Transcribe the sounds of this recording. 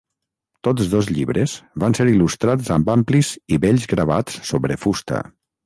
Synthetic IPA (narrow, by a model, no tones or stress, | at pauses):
t̪ozðozʎiβɾez̥βanseɾilust̪ɾazəmbampliziβɛʎzɣɾəβa̰t͡sːoβɾefust̪ə̰